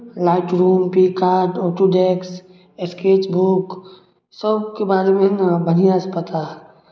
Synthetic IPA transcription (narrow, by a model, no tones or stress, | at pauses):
laːɪʈɾuːmpiːkaːɾɖɔːʈuɖeːks | eskeːt͡ʃbuːk | səbkebaːɾemẽnabənijaəspət̪al